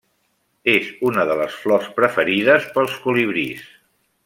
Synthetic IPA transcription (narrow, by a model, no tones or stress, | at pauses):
ezunəðələsflɔspɾəfəɾiðəspəlˠskuliβɾis